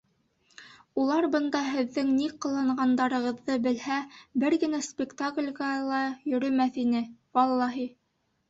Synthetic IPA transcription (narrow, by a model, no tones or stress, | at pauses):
ulˠɑɾbɤ̆nd̪ɑɦɘ̆ðːɘŋniqɤ̆lˠɑɴɢɑnd̪ɑɾɤ̆ʁɤ̆ðːɤbɘ̆lhæbɘɾɡɘ̆næspʲɪkt̪aklʲɡɑlˠɑjɵ̆ɾɵ̆mæθinɘwɑlˠːɑɦi